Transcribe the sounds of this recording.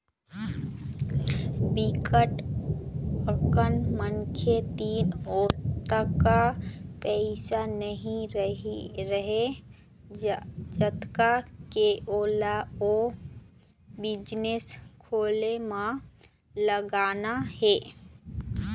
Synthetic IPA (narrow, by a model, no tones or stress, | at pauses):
bikəʈ | əkənmənkʰet̪iːnoːt̪akapɛɪsanəɦĩɾɾəɦe | d͡ʒət̪kakeʔoːlao | bɪd͡ʒneskʰoːlemã | ləɡaːnahɛː